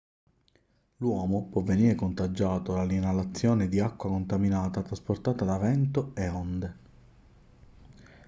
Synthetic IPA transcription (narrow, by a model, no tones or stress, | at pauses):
lwɔːmopwɔvːeniːɾekont̪ad͡ʒːaːt̪olalinalat̪sːjɔːned̪iakːwakont̪aminaːt̪at̪ɾasport̪aːt̪ad̪avɛnt̪oeond̪e